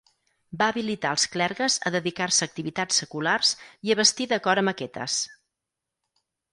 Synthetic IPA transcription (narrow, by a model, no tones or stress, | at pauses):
baəβilit̪aəlˠsklɛɾɣəzə̰ðəðikarsəːk̚t̪iβit̪at͡sːəkularziəβəst̪iðəkɔɾəməkɛt̪ə̰s